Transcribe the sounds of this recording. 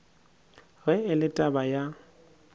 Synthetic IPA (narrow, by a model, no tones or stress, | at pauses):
ɣɛɪlɪtʼabaja